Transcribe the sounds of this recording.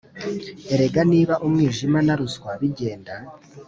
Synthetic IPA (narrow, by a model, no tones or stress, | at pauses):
e̞ɾe̞ɡaniːβaʔumŋiːʒimanaɾuskwaβiɟe̞ːnda